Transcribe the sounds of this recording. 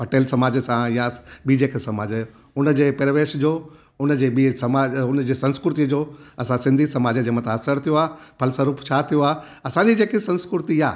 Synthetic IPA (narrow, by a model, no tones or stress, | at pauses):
pɐʈeːlsɐmaːd͡ʑəsãjãɓiːd͡ʑeːkʰesɐmaːd͡ʑ | ʊnəd͡ʑeːpɐɾəʋeːʃd͡ʑoː | ʊnəd͡ʑeːɓisɐmaːʊnd͡ʑeːsɐ̃nskɾʊt̪id͡ʑoːɐsãsɪ̃nd̪ʱisɐmaːd͡ʑəd͡ʑeːmãt̪ʰãɐsəɾt̪ʰijoaːpʰɐlsəɾuːpʰt͡ɕʰat̪ʰijoaː | ɐsãɲd͡ʑid͡ʑeːkesɐ̃nskɾʊɾt̪ijaː